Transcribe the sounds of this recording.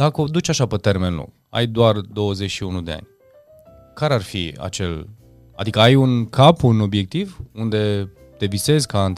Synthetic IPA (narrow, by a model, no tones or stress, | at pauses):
d̪̥ako̞d̪ut͡ʃʲaʃapet̪e̞rme̞nlṵɡ | a̰jd̪oard̪o̞wəzet͡ʃʲʃiunud̪e̞a̰nʲ | kaɾearfḭa̰t͡ʃe̞̰l | a̰d̪ikəajunkʰapuno̞bje̞k̚t̪ivund̪e̞ | t̪e̞vise̞zʲkan